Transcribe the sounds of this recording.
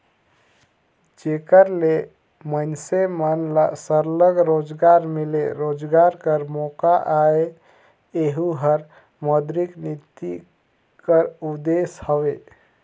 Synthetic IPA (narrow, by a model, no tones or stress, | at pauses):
d͡ʒekəɾle | mənsemənlasəɾləɡɾod͡ʒɡaɾmeleɾod͡ʒɡaɾkəɾmokaʔae | eɦuɦəɾ | məd̪ɾiknit̪i | kəɾud̪eshəʋe